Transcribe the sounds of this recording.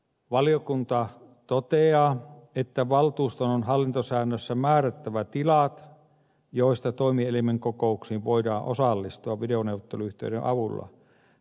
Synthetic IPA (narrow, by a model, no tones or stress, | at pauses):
ʋɑliokunt̪ɑ | t̪ot̪eɑːet̪ːæʋɑlt̪uːst̪ononhɑlːint̪osæːnːøsːæmæːræt̪ːæʋæt̪ilɑt̪ | joist̪ɑt̪oimielimeŋkokouksiːʋʋoidɑːʔʔosɑlːist̪uɑʋʋideonewʋot̪ːeluyht̪ḛdḛʔɑ̰ʋulːɑ̰